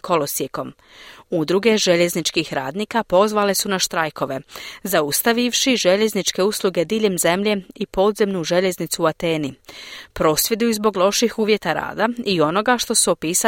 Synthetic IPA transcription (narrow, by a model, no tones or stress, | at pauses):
kʰo̞lo̞sjeko̞m | ud̪ɾuɡe̞ʒe̞ʎe̞znit͡ʃkixɾa̰ːd̪niːkapo̞zʋale̞sunaʃt̪ɾajko̞ʋe̞zaust̪aʋiʋʃiʒe̞ʎe̞znit͡ʃke̞uslˠuɡe̞d̪iːʎemze̞mʎe̞ipo̞d̪ze̞mnuʒe̞ʎe̞znit̪suːat̪e̞ːnipɾo̞ːsʋje̞d̪uuzbo̞ɡlˠo̞ʃixuːʋje̞t̪aɾa̰ːd̪aio̞no̞ɡaʃt̪o̞suopiːsa